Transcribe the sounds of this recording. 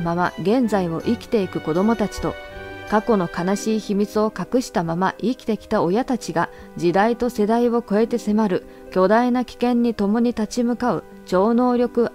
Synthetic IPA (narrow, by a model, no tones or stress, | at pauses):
mama̰ɡẽ̞nzaio̞̰ʔikʲi̥t̪e̞ikɯ̟ko̞d̪o̞mo̞t̪at͡ɕi̥t̪o̞̰kako̞no̞kanaɕiːçimʲit͡sɨo̞kakɯ̟ɕi̥t̪amamaʔikʲi̥t̪e̞kʲi̥t̪ao̞jat̪at͡ɕiɡa | d͡ʑid̪ait̪o̞se̞d̪aiβo̞ko̞e̞t̪e̞se̞maɾɯ̟ | kʲo̞d̪ainakʲi̥kẽ̞ɲ̟ːit̪o̞mo̞ɲ̟it̪at͡ɕimɯ̟kaɯ̟̰ | t͡ɕo̞ːno̞ːɾʲo̞kɯ̟